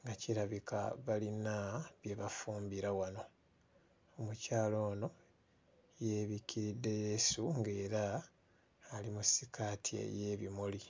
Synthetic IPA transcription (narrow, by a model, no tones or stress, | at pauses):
ŋɡaciɾaβikʰa̰βalinaβje̞βafuːmbiɾawano̞ | omucaːlo̞ːno̞ | jeːβikiɾidːe̞jesuŋɡe̞ːɾaː | limusikʰatʰiḛje̞βimoli